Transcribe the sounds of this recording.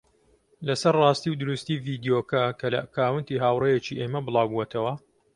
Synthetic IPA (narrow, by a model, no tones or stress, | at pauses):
lɐsɐɾrɑːst̪iwd̪ʊɾust̪iːviːd̪ijoːkɐkʰɐlɐ̰kaːwɨnt̪iːɦaːwrejet͡ʃiʔeːmɐbɨlˠaːwbuwɛt̪ʰɐwɐ